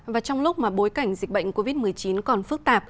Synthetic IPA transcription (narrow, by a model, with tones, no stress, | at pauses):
vaː˨˩t͡ɕɔ˧wŋ͡mlʊ˦˥k͡p̚maː˨˩ɓo˨˦jka˧˩jŋ̟zï˨˩k̚ɓə̰˧˨ŋ̟ko˧vi˦˥t̚mɨ˨˩əjt͡ɕi˨˦nkɔ˨˩nfɨ˦˥k̚t̪aː˨˩p̚